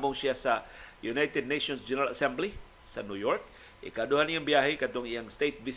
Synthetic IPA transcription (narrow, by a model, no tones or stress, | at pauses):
bʊŋsiasajunajt̪ɛd̚naʃɔnsd͡ʒɛnəɾalasɛmbli | sanujɔrk̚ | ḭkəaduɦanijaŋbiaɦikat̪ɔŋijaŋst̪et̪̚vis